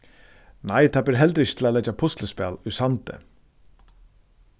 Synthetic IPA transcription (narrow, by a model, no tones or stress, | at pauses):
najt̪ʰaːbɪɾɦɛlt̪ɾɪçɪt̪ʰɪlalɛt͡ʃapʰʊst̪ləspɛ̰ːlʊsant̪ɪ̰